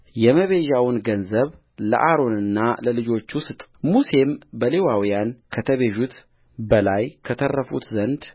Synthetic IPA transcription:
jɛməβe̞ʒawnɡənzəβ | lə̰ʔaɾo̞nɨnːaləlɨd͡ʒo̞t͡ʃːwʊst̪ʼmuse̞mbəle̞wawijankʰət̪ʰəβeʒut̪ | bəlajkʰət̪ʰərːəfṵt̪zənd̪

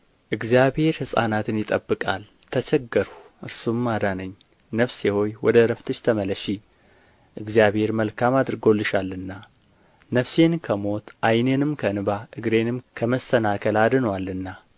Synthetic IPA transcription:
ʔɨɡzijabhe̞ɾhɨsʼa̰nat̪ʰɨnjɪt̪ʼəbːɨkʼal | t̪ʰət͡ʃʰɛɡːɨɾuʔɨɾsumːad̪anəɲː | nəfseho̞jwɔd̪əɾəft̪ʰɨt͡ʃt̪ʰəmələʃi | ʔɨɡzjaβhe̞ɾməlkʰamad̪ɨɾɡo̞lːɨʃalːɨnːa | nəfse̞nkʰəmo̞t̪ʔajnenɨmkʰənɨbaʔɨɡɾe̞nɨmkʰəməsənakʰəlad̪ɨnwalːɨnːa

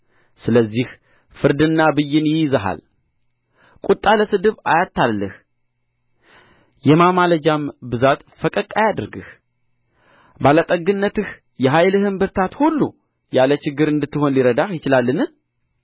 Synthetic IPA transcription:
sɨləzːih | fɨɾd̪ɨnːabɨjːɪnjɪjzəɦa̰l | kʼut̪ʼːaləsɨd̪ɨβajat̪ʰːalːəh | jɛmamaləd͡ʒambɨzat̪fəkʼəkʼːajad̪ɨɾɡɨ̰h | balət̪ʼəɡɨnːət̪ɨh | jɛɦajlɨhɨmbɨɾt̪ʰat̪hulːṵ | jalət͡ʃɪɡːɨɾɨnd̪ɨt̪ːɨho̞nliɾəd̪ahjɪt͡ʃɪlalːɨnɨ

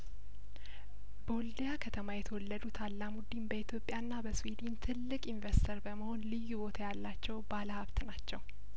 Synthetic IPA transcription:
bowld̪ejakʰət̪ʰəmajɛt̪ʰəwɔlːəd̪ut̪ʰalːamud̪imbəit̪ʰjo̞pʼːjanːabəswed̪int̪ʰɨlːɨkʼiɱvəɾst̪ʰəɾbəməho̞nlɨjːubo̞t̪ʰajalːat͡ʃːɛwbaləhaβt̪nat͡ʃːɛw

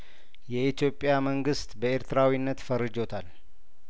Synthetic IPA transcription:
jɛʔit̪jo̞pʼːjaməŋɡɨst̪bəe̞ɾt̪ʰɨɾawinːət̪fəɾːɨd͡ʒo̞t̪ʰal

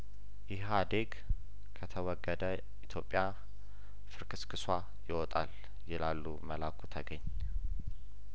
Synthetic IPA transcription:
jɪɦad̪eɡ | kʰət̪ʰəwɔɡːəd̪ə | it̪ʰjo̞pʼːja | fɨɾkʰɨskʰɨswa | jɪwɔt̪ʼa̰l | jɪlalːuməlakʰut̪ʰəɡəɲː

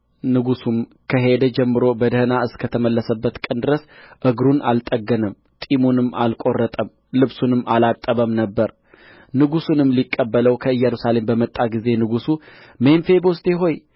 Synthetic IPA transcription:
nɨɡusum | kʰəɦe̞d̪əd͡ʒɛmːɨɾo̞bəd̪əhɨnaɨskʰət̪ʰəməlːəsəbːət̪kʼɨnd̪ɨɾəsʔɨɡɾunalt̪ʼəɡːənəm | t̪ʼimunɨmːa̰lkʼo̞rːət̪ʼəm | lɨβsunɨmʔalat̪ʼːəβəmnəbːəɾ | nɨɡusunɨmlikʼːəbːələwkʰəɨjːɛɾusale̞mbəmət̪ʼːaɡize̞nɨɡusu | menfe̞boʊst̪ʰʼeɦo̞j

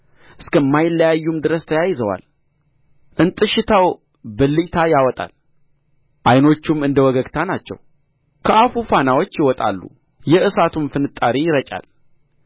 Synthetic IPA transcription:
ʔɨskəmːajɪlːəjajːumd̪ɨɾəst̪ʰəjajːɪzəwa̰l | ʔɨnt̪ʼɨʃɪt̪ʰaw | bɨlːit̪ʰajawɔt̪ʼa̰l | ʔajno̞t͡ʃːumːɨnd̪əwɔɡəɡt̪ʰanat͡ʃːɛ̰w | kʰəʔafufanawot͡ʃːjɪwɔt̪ʼa̰lːṵ | jɛʔɨsat̪ʰumfɨnɨt̪ʼːaɾijɪɾət͡ʃʼa̰l

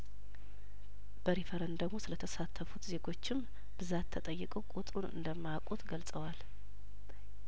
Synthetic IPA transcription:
b̥əɾefəɾənd̪əɡmosɨlət̪ʰəsat̪ʰːəfut̪ze̞ɡo̞t͡ʃːɪm | b̥ɨzat̪ʰːət̪ʼəjːɨkʼəwkʼut̪ʼɾunɨ̰nd̪əmːakʼut̪ɡəlsʼəwal

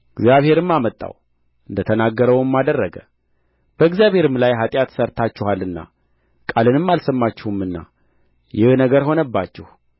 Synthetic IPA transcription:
ɨɡzjaβhe̞ɾɨmːamət̪ʼːa̰w | ʔɨnd̪ət̪ʰənaɡːəɾəwɨmːad̪ərːəɡə | b̥əɨɡzjaβhe̞ɾɨmlajɦat̪ʼjat̪səɾt̪ʰat͡ʃːɪɛhalɨnːa̰ | kʼalɨnɨmːalsəmːat͡ʃːɛhumːɨnːa̰ | jɪhnəɡəɾɦo̞nəbːat͡ʃːɛh

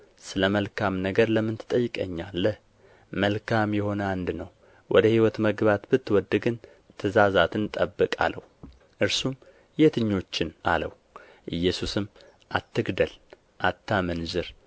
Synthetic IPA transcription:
sɨləməlkʰamnəɡəɾləmːɨnt̪ʰɨ̥t̪ʼəjːɪkʼəɲːalːəh | məlkʰamjɛho̞nəand̪nəw | wɔd̪əhiwɔt̪məɡβat̪bɨt̪ːwɔd̪ːɨɡɨn | t̪ʰɨzazat̪ʰɨnt̪ʼəbːɨkʼa̰lə̰h | ʔɨɾsum | jet̪ʰɨɲːo̞t͡ʃːɪna̰lə̰w | ʔɨjːɛsusɨm | ʔat̪ʰːɨɡd̪əl | ʔat̪ʰːamənzɨɾ

